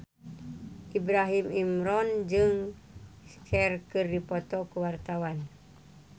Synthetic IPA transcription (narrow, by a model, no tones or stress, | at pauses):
ʔibɾaɦimimɾɔnd͡ʒɨŋ | kɛrkɨrdipɔt̪ɔkuwart̪awan